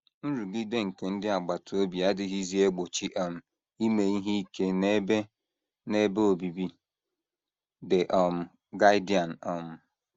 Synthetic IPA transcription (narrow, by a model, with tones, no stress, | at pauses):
n̩˦ɾu˨ɡɪ˦de˦ŋ̩˨ke˨n̩˦dɪ˦a˨ɡ͡ba˨to˦bi˨a˦dɪ˦ɦi˦zi˦e˦ɡ͡bo˨t͡ʃi˦ʔɔ˨m̩˨ | i˦me˨i˦ɦi˦i˦ke˦ne˦be˦ | ne˦be˦o˨bi˨bi˦ | de˨ʔɔ˨m̩˨ | ɡa˦ɪ˦di˨a˨n̩˨ɔ˨m̩˨